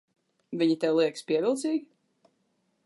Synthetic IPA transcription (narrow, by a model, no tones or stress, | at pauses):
vʲiɲit̪ɛwlˠiɛkspiɛvʲilˠt̪siːɡʲi